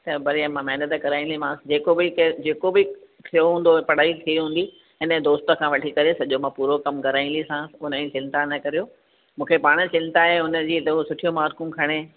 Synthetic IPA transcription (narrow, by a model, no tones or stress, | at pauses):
t̪ɐbɐɾiəmãmɛɦnət̪əkɐɾaːĩn̆d̪imãːd͡ʑeːkobɪked͡ʑeːkobɪ | t̪ʰijoɦũːnd̪opɐɽ̤aːit̪ʰiɦũːnd̪i | ɪnə̆d̪oːst̪ə̆kʰãʋɐʈʰikɐɾesɐʄomãpuːɾokɐmkɐɾaːĩnd̪isãʊnəĩt͡ɕɪ̃nt̪anɐkɐɾijoː | mũːkʰepaːɽ̃ət͡ɕɪ̃nt̪aɦeʊnəd͡ʑiːt̪ɐosʊʈʰijomaːɾkũkʰɐɽ̃e